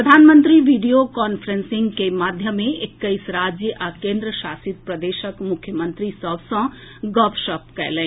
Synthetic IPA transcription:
ɾəd̪ʱaːnmənt̪ɾiʋiɖijokɔːnpʰɾensiŋɡkemad̪ʱjəmːẽʔekːəjsɾad͡ʒjəʔakẽnd̪ɾəʃaːsit̪̚pɾəd̪eːʃəkmukʰːjəmənt̪ɾisəbʱsɐ̃ | ɡɔpʰʃəp̚kɛ̰ːlə̃

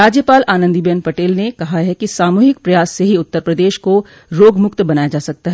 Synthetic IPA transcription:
ɾaːd͡ʒjəpaːlʔaːnə̃nd̪ibenpɐʈeːlnekɐɦaɦɛkisaːmuːɦɪkpɾɐjaːsːeɦiʊt̪ːəɾpɾəd̪eːʃko | ɾoːɡmʊkt̪bɐnaːjad͡ʒaːsɐk̚t̪aɦɛː

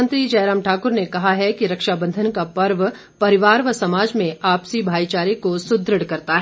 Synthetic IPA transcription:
ə̃nt̪ɾid͡ʒɐːɾaːmʈʰaːkʊɾnekɐɦaɦɛkiɾɐkʃabɐ̃nd̪ʱənkapɐɾʋ | pɐɾɪʋaːɾʋəsɐmaːd͡ʒmẽaːpsibʱaːit͡ʃaːɾekosʊd̪ɾəɽkɐɾt̪aɦɛ

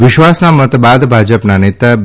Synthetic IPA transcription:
ʋɪʃʋasnamət̪bad̪bʱad͡ʒəpnanet̪a

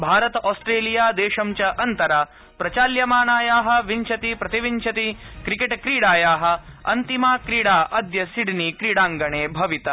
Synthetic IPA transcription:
bʱaːɾɐt̪ɐʔoːsʈɾeːlijaːd̪eːʃɐmt͡ʃɐʔɐnt̪ɐɾɐ | pɾɐt͡ʃaːljɐmaːnaːjaːɦɐ̆ʋiɲt͡ʃʰɐt̪ipɾɐt̪iʋiɲt͡ʃʰɐt̪ikɾikeʈkɾiːɽaːjaːɦɐ̆ɐ̰nt̪imaːkɾiːɽaːʔɐd̪jɐsiɽinikɾiːɽaːŋɡɐɳeːbʱɐʋit̪ɐ

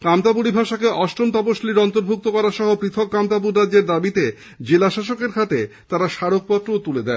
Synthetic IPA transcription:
kamt̪apuɽibʱaʃakeʔɔʃʈɾont̪ɔpoʃliɾɔnt̪oɾbʱuk̚t̪okɔɾaʃɔɦopɾit̪ʰokːamt̪apuɾːad͡ʑːeɾd̪abit̪e | d͡ʑelaʃaʃokeɾkʰat̪e | t̪aɾaʃaɾok̚pɔt̪ːɾot̪uled̪ɛ

